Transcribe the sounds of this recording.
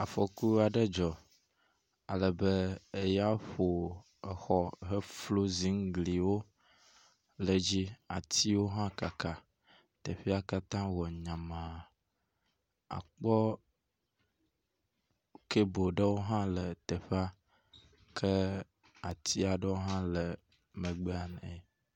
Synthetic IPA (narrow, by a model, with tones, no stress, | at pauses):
a˨fɔ˨ku˦a˨ɖə˦d͡ʒɔ˨ | a˨lə˨bə˦e˨ja˦ɸo˨ | ə˨xɔ˦ɦə˦flo˦zi˨˦ŋ˦ɡli˨wo˦ | lə˨d͡ʑi˦a˨t̪ʰi˦wo˦ɦã˦ka˨ka˨ | t̪ə˨ɸi˦a˦ka˦t̪ã˦wɔ˨ɲã˨mã˨ | a̰˨k͡pɔ˦ | ke˦bo˨ɖə˦wo˦ɦã˦lə˨t̪e˨ɸa˦ | kʰə˦ | a˨t̪ʰi˦a˨ɖə˦wo˦ɦã˦lə˨ | mə̃˨ɡ͡be˦a˨n˨